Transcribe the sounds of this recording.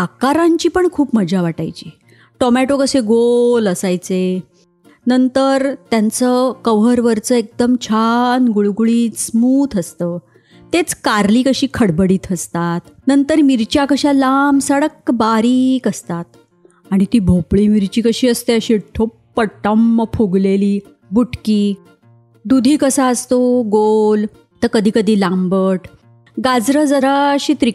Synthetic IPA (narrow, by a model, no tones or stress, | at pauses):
akaɾãɲt͡ɕiːpəɳkʰuːpməd͡ʑʱaʋaʈa̰jt͡ɕḭː | ʈɔmæʈokəseɡoləsajt͡se | nənt̪əɾt̪jãnt͡səkəʋɦəɾʋəɾt͡səek̚d̪əmt͡ɕʰanɡuɭɡuɭiːsmuːt̪ʰəst̪əː | t̪et͡skaɾliːkəɕiːkʰəɽbəɽiːt̪əst̪at̪nənt̪əɾmiɾt͡ɕjakəɕalamsəɽəkbaɾikəst̪at̪ | aɽ̃it̪iːbʱopɭiːmiɾt͡ɕiːkəɕiːəst̪eəɕiʈʰoppəʈəmːəpʰuɡleliː | buʈkiː | d̪ud̪ʱiːkəsaəst̪oɡol | t̪əkəd̪ʱiːkəd̪ʱiːlambəʈ | ɡad͡zɾəd͡zəɾaɕiːt̪ɾi